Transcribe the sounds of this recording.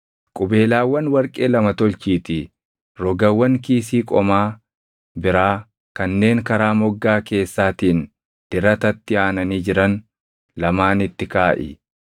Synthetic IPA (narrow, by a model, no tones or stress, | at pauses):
kʼʊbe̞ːlaːwːɐnwɐɾkʼe̞ːlɐmɐt̪ɔlt͡ʃiːt̪ɪ | ɾɔɡɐwːɐŋkiːs̬iːkʼɔmaː | bɪɾaː | kɐnːe̞ːŋkɐɾaːmɔɡːaːke̞ːsːaːt̪iːn | d̪̥ɪɾɐt̪ɐt̪ːɪaːnɐniːd͡ʒɪɾɐn | lɐmaːnɪt̪ːɪkaːʔɪ̰